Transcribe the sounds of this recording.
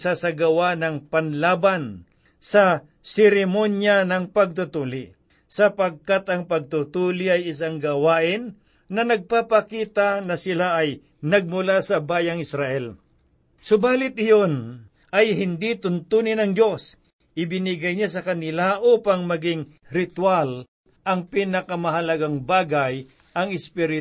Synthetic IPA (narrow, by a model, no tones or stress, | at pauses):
sasɐɡɐwanɐŋpɐnlaːban | sɐ | sɛɾɪmonjanɐŋpɐɡ̚t̪ʊt̪uːlɪ | sɐpɐɡ̚kat̪ɐŋpɐɡ̚t̪ʊt̪uːlɪʔɐjɪs̬aŋɡɐwaːʔɪnː | ɐnɐɡ̚papɐkiːt̪anɐsɪlaʔːj | nɐɡ̚mʊlasɐbaːjɐŋɪsɾaʔɛl | sʊbaːlɪt̪̚ɪjon | ʔɐjɦɪnd̪it̪ʊnt̪unɪnɐŋd͡ʒo̞s | ʔɪbɪnɪɡɐjɲasɐkɐnɪlaʔuːpaŋmɐɡɪŋɾɪt̪wal | ʔɐŋpiːnɐkɐmɐɦɐlɐɡaŋbaːɡaj | ʔɐŋɪspiɾɪ